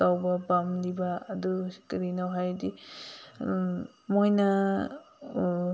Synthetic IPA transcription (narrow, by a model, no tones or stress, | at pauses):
awbɐbamlibaːdukiɾinawɦajdi | mojna